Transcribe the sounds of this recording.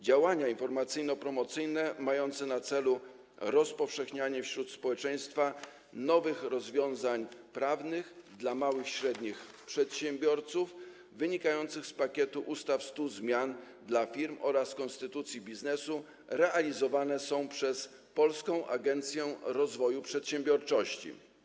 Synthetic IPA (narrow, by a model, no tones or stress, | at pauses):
d͡ʑawaɲainfɔɾmat̪sɘjnɔpɾɔmɔt̪sɘjnɛmajɔnt̪sɛnat̪sɛlu | ɾɔspɔfʂɛxɲaɲɛfɕɾut̪spɔwɛt͡ʂɛj̃st̪fa | nɔvɘxɾɔzvʲjɔ̃w̃zaɲpɾavnɘxd̪lamawɘxɕɾɛd̪ɲix | pʂɛt̪ɕɛmbʲjɔɾt̪suf | vɘɲikajɔnt̪sɘxspakʲet̪uʔust̪afst̪uzmʲjan | d̪lafʲiɾmɔ̰ɾaskɔnst̪ɘt̪ut̪sʲjibʲiznɛsu | ɾɛalʲizɔvanɛsɔ̃w̃pʂɛs | pɔlskɔ̃w̃ʔa̰ɡɛnt̪sʲjɛɾɔzvɔjupʂɛt̪ɕɛmbʲjɔɾt͡ʂɔɕt͡ɕḭ